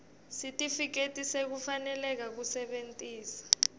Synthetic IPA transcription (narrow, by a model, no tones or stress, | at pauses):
sitʼifik̬etʼisek̬ufanɛlɛk̬ak̬usɛɓentʼiːsḁ